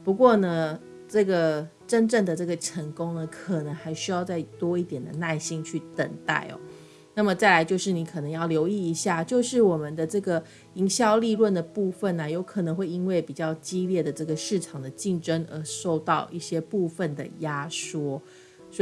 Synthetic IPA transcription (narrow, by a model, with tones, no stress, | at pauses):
pu˧˥kwɔ˥˩nə˨ | ʈ͡ʂɤ˥˩ɡə˩ | ʈ͡ʂə˥nʈ͡ʂə˥˩ŋd̪ə˩ʈ͡ʂɤ˥˩ɡə˩ʈ͡ʂʰə˧˥ŋkʊ˥ŋnə˨˩kʰɤ˨˩nə˧˦ŋxa˧˥ɪɕy˧˥jɑ˥˧ʊt͡sa˥˩ɪt̪wɔ˥i˥˩t̪jɛ˨˩nd̪ə̰˩na˥˩ɪɕi˥ŋt͡ɕʰy˥˩t̪ə̰˨˩ŋt̪a̰˥˩ɪɔ̰˨˩ | na˥˩mə˩t͡sa˥˩ɪla˧˥ɪt͡ɕjo˥˧ʊʂɻ̩˥˩ni˧˥kʰɤ˨˩nɤ˧˥ŋjɑ˥˩ʊljo˧˥ʊi˥˩i˧˥ɕja˥˩t͡ɕjo˥˧ʊʂɻ̩˥˩wɔ˨˩mə˨˦nd̪ə˧ʈ͡ʂɤ˥˩ɡə˩ | i˧˥ŋɕjɑ˥˧ʊli˥˧lwə˥˩nd̪ə˩pu˥˧fə˥˩nə˩jo˧˥ʊkʰɤ˨˩nɤ˧˥ŋxwe˥˧ɪi˥nwe˥˩ɪpi˨˩t͡ɕjɑ˥˩ʊt͡ɕi˥ljɛ˥˩d̪ə˩ʈ͡ʂɤ˥˩ɡə˩ʂɻ̩˥˩ʈ͡ʂʰɑ˨˩ŋd̪ə˦t͡ɕi˥˩ŋʈ͡ʂə˥ŋə˧˥ʂo˥˧ʊt̪ɑ˥˧ʊʔi˥˩ɕjɛ˥pu˥˧fə˥˨nd̪ə̰˩ja˥ʂwɔ˥ | s